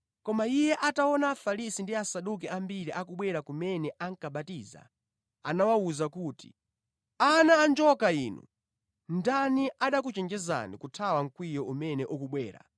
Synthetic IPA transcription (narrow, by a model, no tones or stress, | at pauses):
kɔmaijɛʔataɔnaːfalisindiasaɗuk̬ɛambiɾiʔakuɓwɛɾakumɛnɛʔaŋkaɓatiːza̰ | a̰nawauzakuːti̥ | anaːnd͡ʒɔkaiːnṵ | ndaniʔaɗak̬ut͡ʃɛnd͡ʒɛza̰nikutʰawaŋ̩kwijɔʔumɛnɛʔukuɓwɛ̰ːɾa̰